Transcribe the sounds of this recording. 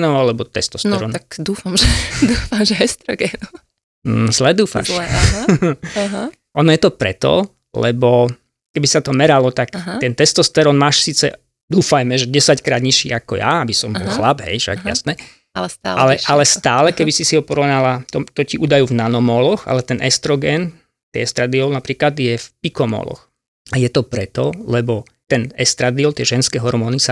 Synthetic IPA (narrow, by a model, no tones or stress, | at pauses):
nɔʊalɛbɔt̪ɛst̪ɔsɛɾɔːnakd̪uːfamʒɛd̪uːfamʒɛɦɛst̪ɾɔɡɛːnɔ | zlɛd̪uːfa̰ʃ | aɦ | ʔɔnɔjɛt̪ɔpɾɛ̰t̪ɔ̰ | lɛ̰bɔ | kɛbisat̪ɔmɛɾalɔt̪akɦ̪ɛnt̪ɛst̪ɔst̪ɛɾɔːnmaːʃsiːt͡sɛ̰ | d̪uːfajmɛʒɛɟɛsackɾaːd̪ɲiʃḭːakɔ̰ja̰abisɔmbɔlˠxlabɦɛ̰jfʃa̰ɡja̰snɛː | aalɛʔalɛst̪aːlɛkɛbisisiɦɔpɔɾɔnalat̪ɔt̪ɔciʔuːd̪ajuvnanɔmɔlɔɣa̰lɛt̪ɛnʔɛst̪ɾɔɡɛːn | t̪ɛ̰ɛst̪ɾad̪iɔlnapɾiːklad̪jɛfpikɔmɔ̰lɔ̰x | ajɛt̪ɔpɾɛt̪ɔlɛbɔ | t̪ɛnɛst̪ɾad̪iɔlt̪ɪɛʒɛnskɛɦɔɾmɔːnisa